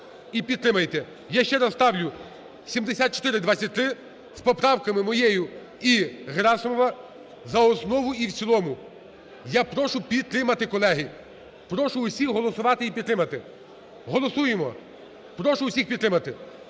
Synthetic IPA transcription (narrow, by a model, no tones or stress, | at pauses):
ipʲid̪t̪ɾɪmɐjt̪ɛ | jaʃt͡ʃɛɾɐt̪ɑwlʲʊ | sʲimd̪esʲat̪̚t͡ʃɔ̥t̪ɪɾɪd̪ʋat͡sʲːɐt̚ʲt̪ɾɪ | spɔpɾɑwkɐmɪmɔjejʊ | iɦɾɑsɔmɔʋɐ | zɐɔsnɔʋʊiwt͡sʲilˠɔmʊ | japɾɔʃʊpʲid̪̚t̪ɾɪmɐt̪ɪkɔlˠɛɦi | pɾɔʃʊʊsʲixɦɔlˠɔsʊʋɑt̪ɪipʲid̪ɾɪmɐt̪ɪ | ɦɔlˠɔsujemɔ | pɾɔʃʊʊsʲixpʲid̪t̪ːɾɪmɐt̪ɪ